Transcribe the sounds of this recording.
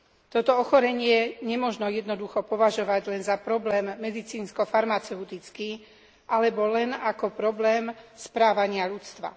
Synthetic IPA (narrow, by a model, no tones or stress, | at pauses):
t̪ɔt̪ɔɔxɔɾɛɲɪɛɲɛmʊɔʒnɔjɛd̪nɔd̪uxɔpɔʋaʒɔʋaɟlɛnzapɾɔblɛːmːɛd̪it͡siːnskɔfaɾmat͡sɛut̪it͡skiː | ʔalɛbɔlɛnakɔpɾɔblɛːmspɾaːʋaɲɪaʎut͡st̪ʋa̰